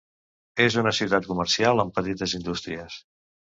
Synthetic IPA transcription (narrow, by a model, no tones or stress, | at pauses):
ezunəsiwt̪at̪̚kuməɾsialˠəmpət̪it̪əzind̪ust̪ɾiəs